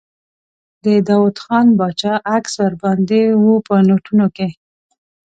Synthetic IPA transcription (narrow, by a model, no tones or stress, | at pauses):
d̪əd̪ɑwut̪xɑnbɑt͡ʃɑʔakswaɾbɑnd̪ewupənoʈunoke